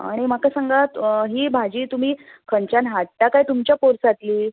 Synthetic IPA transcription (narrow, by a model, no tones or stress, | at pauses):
a̰ɽ̃im̤akasəŋɡat̪ɦiːbʱad͡ʑiːt̪um̤iːkʰənt͡ɕjanɦaʈ̚ljakait̪umt͡ɕjapoɾsat̪liː